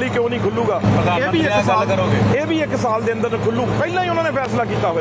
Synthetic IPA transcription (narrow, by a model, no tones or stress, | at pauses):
liːkjõːnĩːkʰʊlːuːɡaːeːbiːɪksːeːbiːɪksaːld̪eːə̃nd̪əɾnkʰʊlːuːɡːpɛːlãːiːʊnãːneːpʰɛːslaːkiːt̪aːɦoː